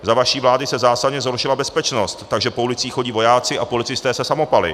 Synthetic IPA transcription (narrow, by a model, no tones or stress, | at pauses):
zavaʃiːvlaːdɪsɛzaːsadɲɛzɦoɾʃɪlabɛspɛt͡ʃno̞st̪ːaɡʒɛpo̞ulɪt͡siːxxo̞ɟiːvo̞jaːt͡sɪʔapo̞lɪt͡sɪst̪ɛːsɛsamo̞palɪ̰